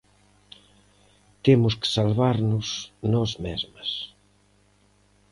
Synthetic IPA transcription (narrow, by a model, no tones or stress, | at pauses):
t̪emʊske̥salβaɾnʊsnɔzmɛzmɐs